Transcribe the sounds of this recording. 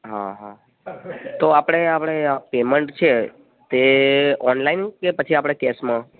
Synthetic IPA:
ɦa̰ɦa | t̪oapɽ̃eapɽ̃eapeməɳʈt͡ʃʰe | t̪eɔnlainkepət͡ʃʰiapɽ̃ekesmã

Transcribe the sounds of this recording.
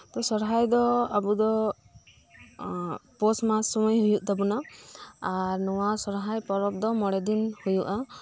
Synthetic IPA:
t̪ɔsɔɾɦajd̪ɔabud̪ɔ | pɔsmasɔmɔjɦujuʔd̪abunaaɾnɔwasɔɾɦajpɔɾɔp̚d̪ɔmɔɽɛd̪inhujuʔa

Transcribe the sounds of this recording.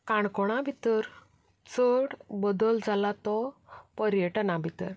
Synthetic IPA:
kaɳkɔɽ̃abʱit̪əɾ | t͡səɽbəd̪əld͡zʱalat̪ɔpəɾjəʈnabʱit̪əɾ

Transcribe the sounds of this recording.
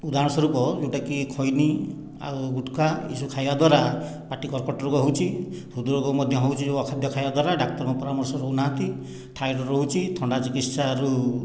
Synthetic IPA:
ud̪aɾɔ̃ɔsɔɾupɔd͡ʒewʈakikʰɔjni | a̰uɡuʈkaḭsukʰajbad̪waɾa | paʈikɔɾkɔʈɔɾukɔɦowt͡ʃʰi | sud̪uɾɔkɔmɔd̪ʱjɔɦowt͡ʃʰid͡ʒeɔkʰad̪ʱjɔkʰajbad̪waɾaɖak̚t̪ɔɾɔkɔpɔɾamɔɾsɔɾounaɦnt̪i | ʈʰajɾɔɾɔɦut͡ʃʰit̪ʰɔɳɖat͡ʃikit̪saɾu

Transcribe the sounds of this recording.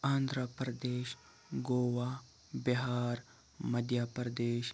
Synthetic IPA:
ãːnd̪ɾəpɾɐd̪eːʃ | ɡoːʋaː | biɦaːɾ | mɐd̪ʱjapɾɐd̪eːʃ

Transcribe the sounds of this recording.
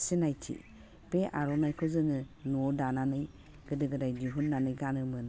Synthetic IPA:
sinajtʰḭ | peʔaɾɔnajkʰɔzɯnɯ | nuɔdananɯj | ɡ̥ɯdɯɡɯdajd͡ʒiɦutnanɯjɡanɯmɯn

